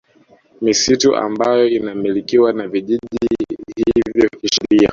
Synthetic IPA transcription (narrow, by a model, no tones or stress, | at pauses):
misituʔa̰mbajɔinamilikiwanaviʄiʄiihiivjɔkiʃiɾia̰